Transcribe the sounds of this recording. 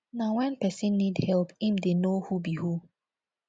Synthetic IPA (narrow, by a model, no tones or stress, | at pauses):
nawɛ̃npɛsĩnːidhɛlˠphĩmdenohubihu